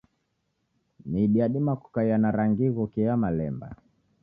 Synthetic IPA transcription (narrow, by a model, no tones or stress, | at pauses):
miɗiaɗimaku̥kajanaɾaŋɡiɣukijamalɛmba̰